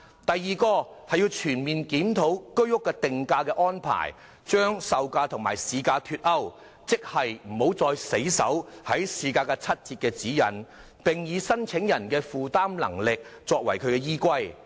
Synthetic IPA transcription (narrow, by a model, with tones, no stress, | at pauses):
t̪ɐ˨jːiː˨˩kɔː˧hɐ˨jːiː˧wt͡ʃʰyː˨˩nmiː˨nkiː˨˥mt̪ʰo˨˥wkɵ˥ɥjʊ˥kːɛː˧t̪ɪ˨ŋkaː˧kɛː˧ʔɔː˥npʰa̰ː˨˩j | t͡ʃœː˥ŋsɐ˧wkaː˧t̪ʰʊ˨˩ŋma̰ː˨˩jsiː˧kaː˧t̪ʰyː˧t̚ɐ˥w | t͡sɪ˥k̚hɐ˨jm̩˨˩ho˨˥wt͡sɔː˧jse˨˥jsɐ̰˨˥whɐ˨˥jsiː˨kaː˧kaː˧t͡sʰɐ˥t̚t͡siː˧t̚kɛː˧t͡siː˨˥jɐ˨˩n | pɪ˨ŋjiː˨˧sɐ˥nt͡sʰɪ˨˥ŋjɐ˨˩nkɛː˧fuː˨t̪aː˥mlɐ̰˨˩ŋlɪ˨k̚t͡sɔː˧k̚wɐ˨˩jkʰɵ˨˧ɥkɛː˧jiː˥kʷɐ˥j